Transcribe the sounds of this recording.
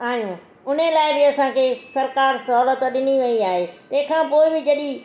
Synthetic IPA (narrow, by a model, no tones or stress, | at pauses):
aːijũː | ʊn̤elaːɪbɪɐsãːkʰeːsɐɾkaːɾsɐɦːlət̪ɗɪniʋɐiaːɦeːt̪ɐ̃ɦɪ̃kʰãːpoːɪbɪd͡ʑɐɗi